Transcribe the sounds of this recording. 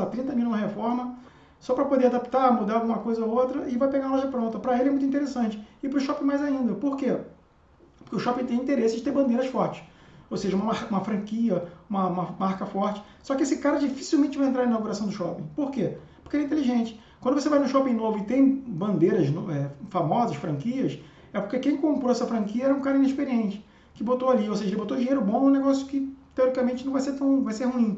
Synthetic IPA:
at̪ɾĩnt̪ɐmilunɐɦefɔɾmɐ | sɔpɾɐpod̪eɾad̪api̥t̪amud̪aɾawɡũmɐkojzɐoowt̪ɾɐɪvajpeɡaw̃ɐlɔʒɐpɾõnt̪ɐpɾɐelɪɛmũjt̪ĩt̪eɾesɐ̃t͡ʃɪ̥ɪpɾʊʃɔpẽmajzaĩnd̪ɐpoɾke | po̥keʊʃɔpĩt̪ẽj̃ĩt̪eɾesɪd͡ʒɪt̪eɾbɐ̃nd̪ejɾɐsfɔɾt͡ʃɪ̥ʃ | owseʒɐũmaũmɐfɾɐ̃ŋkiɐũmɐũmɐmaɾkɐfɔɾt͡ʃɪ̥ | sɔkɪesɪkaɾɐd͡ʒifi̥siwmẽnt͡ʃɪvajẽnt̪ɾaɾɐ̃inawɡuɾasɐ̃w̃d̪ʊʃɔpẽj̃poɾkepo̥keɛĩt̪eliʒẽnt͡ʃɪ̥ | kwɐ̃d̪ʊvos̬evajnʊ̃ʃɔpẽnovʊɪt̪ẽj̃bɐ̃nd̪eɾɐznɛfamɔzɐʃfɾɐ̃ŋkiɐs | ɛpo̥kekẽj̃kõmpɾoɛsɐfɾɐ̃ŋkiɐɛɾɛũkaɾɐĩneʃpeɾiẽnt͡ʃɪ̥ | kɪbot̪oaliowseʒɐelɪbot̪od͡ʒiɲejɾʊbõnũneɡɔsjʊkɪt̪eɔɾikamẽnt͡ʃɪnɐ̃vajset̪ɐ̃w̃vajseɾhũĩ

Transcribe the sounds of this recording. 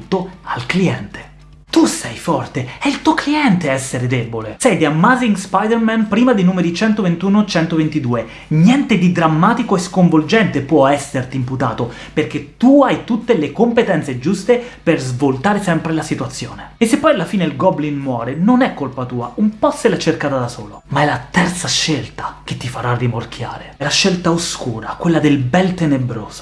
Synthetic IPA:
t̪ːoalkliɛnt̪e̥ | t̪usɛjfɔrt̪eɛilt̪uokliɛnt̪eɛsːeɾed̪ebolesɛjd̪iamːaziŋɡspajd̪ermɛnpɾiːmad̪inuːmeɾit͡ʃɛnt̪ovent̪uːnot͡ʃɛnt̪ovent̪id̪uːe | njɛnt̪ed̪id̪ɾamːaːt̪ikoeskoɱvold͡ʒɛnt̪epwɔɛsːert̪iːmput̪a̰ːt̪o | perk̟et̪ːuajt̪ut̪ːelekompet̪ɛnt̪sed͡ʒust̪eperzvolt̪aːɾesɛmpɾelasit̪wat̪sːjo̰ːneesːepːɔjalːafiːneilɡɔblinmwɔːɾenonɛkːolpat̪uːa̰umpɔsːelat͡ʃerkaːt̪ad̪asoːlomaɛlːat̪ɛrt̪saʃːelt̪ḁk̟et̪ːifaɾarːimork̟ʰja̰ːɾeɛlaʃːelt̪aoskuːɾakwelːad̪elbɛlt̪enebɾo̰ːz̥o̥

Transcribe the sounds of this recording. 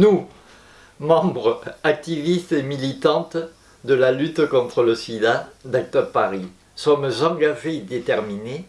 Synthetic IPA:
nu | mɑ̃bʁəak̚t̪ivist̪emilit̪ɑ̃t̪ | d̪əlalyt̪kɔ̃t̪χələsid̪ad̪ak̚t̪əʁpaʁi | sɔmzɑ̃ɡaʒed̪et̪ɛʁmine

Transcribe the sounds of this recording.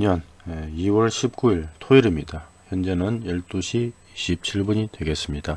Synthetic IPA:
ɲʌn | eiwʌɭɕʰip̚k͈uiɭtʰoiɾimɲidaçjʌnd͡ʑe̞nɯnjʌɭt͈uɕʰi | iɕʰip̚t͡ɕʰiɭbuɲidwe̞ɡe̞s͈ɯmɲida

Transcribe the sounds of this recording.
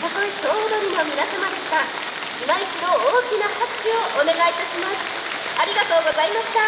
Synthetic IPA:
t̪akoisoːd̪oɾʲinomʲinasamad̪eɕsa | imait͡ɕimo̞oːkʲinahakioʔone̞ɡait̪aɕimasɨ̥ | aɾʲiɡat̪o̞ːɡo̞zaimaɕi̥t̪a

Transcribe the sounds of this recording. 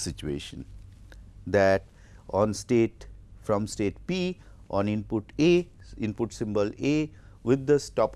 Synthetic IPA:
sɪt͡ʃuḛːʃə̰̃n | d̪æʈ | ɔ̃ːnsʈeːʈfɾɔ̃msʈeːʈpiː | ʔɔ̃ːnɪ̃npʊʈeː | ɪ̃npʊʈsɪ̃mbəleː | ʋɪd̪ːəsʈɔːp

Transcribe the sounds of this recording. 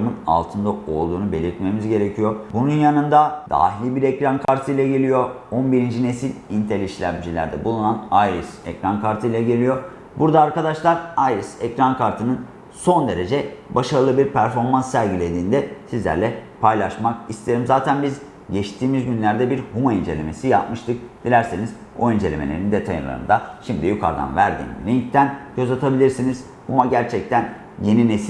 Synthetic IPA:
mɯna̰lˠt̪ʰɯnd̪ao̞̰lˠd̪uːnube̞lʲiɾt̪me̞mizɟe̞ɾe̞cʰijo̞bununjanɯnd̪ad̪̥a̰ːɦilʲibiɾɛcɾankʰaɾt̪ʰɯjlʲˠɛɟe̞lʲijo̞ | onbiɾind͡ʒine̞silʲint̪ʰelʲiʃlʲæ̰md͡ʒilʲæ̰ɾd̪ɛbulˠunanajɾɯsɛ̰cɾankʰaɾt̪ʰɯjlʲˠɛɟe̞lʲijo̞ | buɾd̪aːɾkad̪aʃlˠaɾajɾɯsɛ̰cɾankʰaɾt̪ʰɯnɯn | so̞nd̪e̞ɾe̞d͡ʒɛbaʃaɾɯlˠɯbiɾpʰæɾfo̞ɾmansːæɾɟilʲe̞d̪iːnd̪ɛsizlʲæ̰ɾlʲɛpʰajlˠaʃmak̚ist̪ʰeeɾimzaːt̪ʰænbiz | ɟɛʃt̪ʰiːmizɟynlʲæɾd̪ɛbiɾhumaind͡ʒe̞lʲe̞̰me̞sijapmɯʃt̪ʰɯk̚d̪̥ilʲæɾseniz̥ | oind͡ʒe̞lʲe̞melʲeɾind̪e̞t̪ʰajɯ̰nlˠa̰ɾɯ̰nd̪aʃimd̪ijykʰa̰ɾd̪a̰nvæɾd̪ḭːnlʲiɲct̪ʰænɟø̞zat̪ʰabilʲiɾsiniz̥ | humaɟæɾt͡ʃʰɛc̚t̪ʰæn | je̞nines

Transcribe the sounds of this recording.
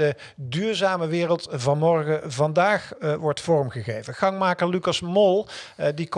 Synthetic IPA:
də | dyːɹzaːməʋɪːrəlˠtvɑnmɔɹχəvɑndaːχʋɔɹtfɔɹmχəχejvəχɑŋmaːkəɹlykɑsmɔlˠdik

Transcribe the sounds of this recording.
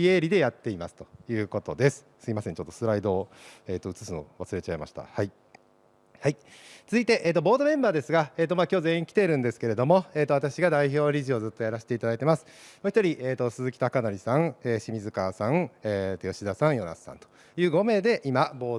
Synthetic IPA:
ie̞ɾʲid̪e̞jat̪ːe̞imasɨ̥t̪o̞̥jɯ̟ːko̞t̪o̞d̪e̞sɨ̥sɨɡʲimasẽ̞ɲ̟t͡ɕo̞t̪ːo̞̥sɨɾaid̪o̞ːeːt̪ːoɯ̟t͡sɨ̥sɨno̰βasɨɾe̞t͡ɕaima̰ɕi̥t̪a̰hai | hai | t͡sɨit̪e̞ʔeːt̪ːobo̞ːd̪o̞mẽ̞mbaːd̪e̞sɨɡaeːt̪̬ːo̞maːkʲo̞ːzẽ̞ĩkʲi̥t̪e̞ɾɯ̟̃nd̪e̞sɨ̥ke̞ɾe̞d̪o̞mo̞e̞ːt̪o̞at̪akɕiɡad̪aiço̞ːɾʲiʑio̞zɨt̪ːo̞jaɾaɕi̥t̪e̞it̪ad̪ait̪e̞masɨ̥moçi̥t̪oɾʲiʔeːt̪o̞sɨzɨkʲi̥t̪akanoɾʲisãŋeːɕimʲizɨkasãŋeːt̪ːojo̞ɕid̪asãɰ̃jo̞na̰sɨ̥sã̰nt̪o̥ | jɯ̟ːɡo̞me̞ːd̪e̞ʔimabo̞ː

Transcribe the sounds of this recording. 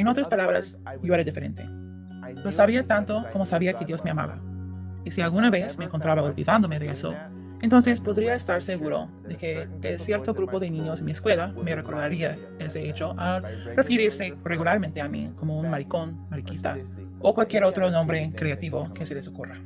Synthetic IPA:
enot̪ɾaspalaβɾa̰s | joeɾeðifeɾent̪e̞̰ | lo̞saβiat̪ant̪okomosaβiakeðjo̞zme̞ama̰βa̰ | isialɣunaβesmeːŋkont̪ɾaβaolβḭðand̪omeðeeso̰ | ent̪o̞nse̞spoðɾiaest̪aɾseɣuɾo̰ | ðe̞keː | lsje̞ɾt̪oɣɾupoðenĩɲosenmieskwe̞lamereko̞ɾðaɾia | eseet͡ʃoʔarefiɾiɾsereɣulaɾment̪eamḭkomounmaɾikonmaɾikit̪a̰ | okwalkjeɾot̪ɾonõmbɾe̞kɾeat̪iβokeselesokura

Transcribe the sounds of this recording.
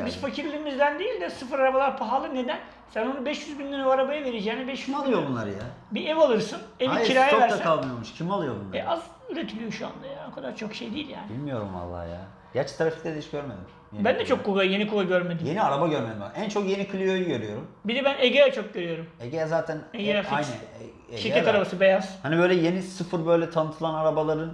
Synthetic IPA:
biz̥facʰiɾlʲimizd̪ænd̪ejilʲd̪ɛsɯfɯɾaɾabalˠaɾpʰaɦalˠɯne̞d̪æn | sænonubɛʃjyzbind̪ynevaɾabajɯve̞ɾed͡ʒɛːnɛbɛʃyalˠjobunlˠaɾɯja | biɛvalˠɯɾsɯnɛviiɾaːjavæɾsasalˠmɯjoɾmuʃcʰimalˠɯjobunˠaɛʔaz | yɾet̪ʰilʲijo̞ʃua̰nd̪ajao̞kʰad̪aɾt͡ʃʰo̞kʃe̞jd̪ejilʲja̰ːnbḭlʲmijo̞ɾṵmva̰lˠːa̰ːhja̰ː | ɟat͡ʃt̪ʰɾafi̥clʲɛd̪eiʃɟ̥øɾmed̪im | jbænd̪ɛt͡ʃʰo̞kʰːuɡajenikʰulˠaɟøɾmed̪imje̞niaɾabaɟøɾmed̪imaænt͡ʃʰo̞kje̞nikʰɯlʲijojyɟøɾyjo̞ɾumbid̪ɛbæneɟejɛt͡ʃʰo̞k̚ɟøɾyjo̞ɾumeɟejɛzaːt̪ʰɛnɛjenɛfajnɛ | eʃʃiɾcɛt̪ʰaɾabasɯbe̞jaz̥hanibøjlʲɛje̞nisɯfɯɾbø̞jlʲɛt̪ʰanɯt̪ʰɯlˠanaɾabalˠaɾɯn

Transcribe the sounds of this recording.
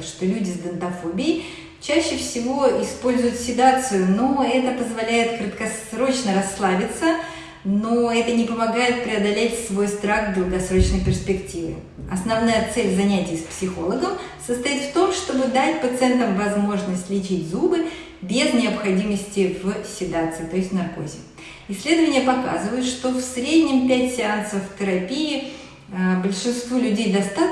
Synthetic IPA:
t̪ʂt̪o̞lʲudʲɪzd̪ənt̪ɐfo̞bʲɪjɪ | t͡ɕæɕːɪfsʲɪvo̞ɪspo̞lʲzʊjʊt̪sʲɪd̪at̪sɨjʊno̞ɛt̪əpəzvɐlʲæjɪt̪kɾət̪kɐsɾo̞t͡ɕnəɾɐsːlˠavʲɪt̪sə | noɛt̪ənʲɪpəmɐɡajɪt̪̚pɾʲɪɐd̪ɐlʲetʲsvojst̪ɾaxd̪ɾʊɡɐsɾo̞t͡ɕnəjpʲɪrspʲɪktʲivʲɪ̰ | ɐsnɐvnajət̪sɛlʲzɐnʲætʲɪjspsʲɪxo̞lˠəɡəm | səst̪ɐit̪ft̪o̞mʂt̪o̞bɨd̪atʲpət̪sɨɛnt̪əmvɐzmo̞ʐnəsʲtʲlʲɪt͡ɕitʲzubɨ | bʲeznʲɪəpxɐdʲiməsʲtʲɪvsʲɪd̪at̪sɨɪt̪o̞ɪsʲtʲnɐrko̞̰zʲɪ̰k | ɪsʲlʲe̞d̪əvənʲɪjəpɐka̰zɨvəjʊt̪ʂt̪ofsɾʲedʲnʲɪmpʲætʲsʲɪansəft̪əɾɐpʲijɪ | bəlʲʂɨnst̪vulʲʉdʲejd̪ɐst̪a

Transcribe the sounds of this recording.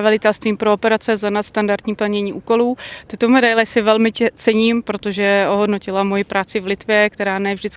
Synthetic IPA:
valɪt̪ɛlst̪viːmpɾoopɛɾat͡sɛzanat̪st̪andaɾd̪ɲiːpl̩ɲɛɲiːʔuːko̞luːt̪ɪt̪omɛdajlɛsɪvɛlmɪt͡sɛɲiːmpɾo̞t̪oʒɛoɦodno̞cɪlamo̞jɪpɾʔaːt͡sɪvlɪt̪vjɛkt̪ɛɾaːnɛvʒdɪt͡s

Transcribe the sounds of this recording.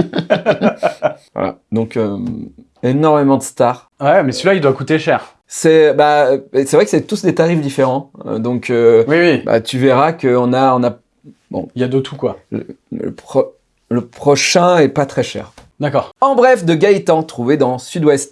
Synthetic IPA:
vwa̰la̰d̪ɔ̃kø | enɔʁmemɑ̃d̪əst̪aːʁ | wɛmɛsəlaild̪wakut̪eʃɛʁ | sɛbaesɛvʁɛkəsɛt̪usd̪et̪aʁifd̪ifeʁɑ̃ø̰d̪ɔ̃kʰøwiwiba̰t̪yveʁakəɔ̃naɔ̃na | bɔ̰̃iljad̪øt̪ʰukwalə̰ | lə̰pχɔ | ləpχɔʃɛ̃ɛpat̪χɛʃɛ̰ːʁd̪akɔːʁɑ̃bʁɛfd̪əɡajt̪ɑ̃t̪χuved̪ɑ̃syd̪wɛst̪

